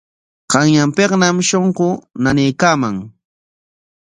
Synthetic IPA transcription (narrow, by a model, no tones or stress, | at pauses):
qɑŋjampeqnamʃoɴɢʊnanejkaːmaŋ